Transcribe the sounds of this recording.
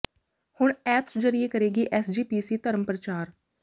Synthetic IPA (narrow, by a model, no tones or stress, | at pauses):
hʊɳɛːpsd͡ʒəɾieːkəɾeːɡiːʔɛːsd͡ʒiːpiːsiːt̪əɾəməpɾət͡ʃaːɾ